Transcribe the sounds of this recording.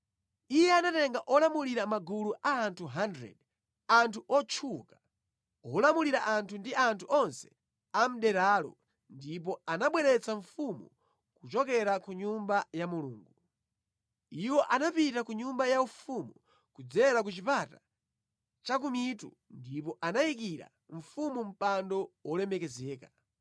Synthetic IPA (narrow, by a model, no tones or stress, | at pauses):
ijɛanatɛŋɡaʔɔlamuliɾamaɡuluʔaːntʰuɦandɾɛ̰d | antʰuʔɔt͡ʃʰuka | ɔlamuliɾaʔantʰundiantʰuɔnsɛ̥ | am̩ɗɛɾalɔ̰ | ndip̬ɔanaɓwɛɾɛt͡saɱfumṵ | kut͡ʃɔkɛɾakuɲumbajamulṵːŋɡu | iwɔʔanapitakuɲumbajaufumu | kud͡zɛɾakut͡ʃipata | t͡ʃak̬umitṵ | ndipɔʔanaik̬iɾa̰ | ɱ̩fumum̩pandɔwɔlɛmɛkɛzɛːka